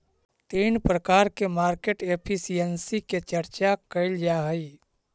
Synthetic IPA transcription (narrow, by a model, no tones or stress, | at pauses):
t̪iːnpɾəkaːɾkemaːɾkeʈepʰisijənsiket͡ʃəɾt͡ʃakəɪld͡ʒaɦəi